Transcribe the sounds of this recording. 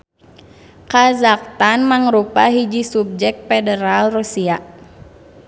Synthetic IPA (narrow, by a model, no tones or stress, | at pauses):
kazak̚t̪anmaŋɾupaɦid͡ʒisub̚d͡ʒɛk̚t̪̚fɛdəɾalrusia